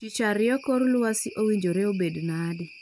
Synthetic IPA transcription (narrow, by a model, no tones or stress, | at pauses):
t͡ʃit͡ʃaɾɪjɔkoɾlʊwasɪʔowiɲd͡ʒoɾeobednadɪ